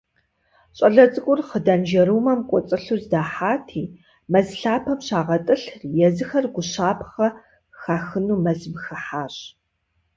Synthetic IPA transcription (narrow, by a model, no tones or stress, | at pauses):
ɕʼɐɮɐt͡sʼɨkʷʼʊrχədaːnd͡ʒɐɾuːmɐmkʷʼɔt͡sʼɨɬuːzdaːħaːtʰiː | mɐzɬaːpʰɐmɕaːʁɐtʼɨɬjɛzɨxɐrɡʷʊɕaːpʰχɐ | xaːxɨnuːmɐzɨmxɐħaːɕ